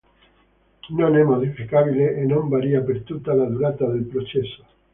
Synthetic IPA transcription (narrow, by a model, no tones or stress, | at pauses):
nõnemoðifikaβileːnõmbaɾiapeɾt̪ut̪alaðuɾat̪aðelpɾot͡ʃeso̥